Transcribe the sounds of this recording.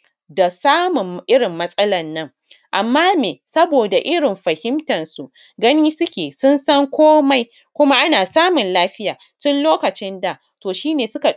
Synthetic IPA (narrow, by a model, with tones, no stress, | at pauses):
da˨saː˦mʊ˨mʔɪ˦ɽɪ˨mːɐ˦sʼɐ˦lɐ˨nːɐ˦ŋ | ʔa˨mːaː˦meː˨sɐ˦boː˨da˨ʔɪ˦ɽɪ˨mɸɐ˨hɪ˦mtɐ˨nsu˨ | ɡɐ˦niː˦sʊ˦kʲeː˨sʊ˦nsɐ˦ŋkʷoː˦ma˦j | kʷʊ˦ma˦ʔa˦naː˨saː˦mʊ˨nlaː˦ɸɪ˦jaː˨ | tʊ˦nloː˦kɐ˨t͡ʃɪ˦nda˨ | toː˨ʃiː˦neː˨sʊ˦ka˨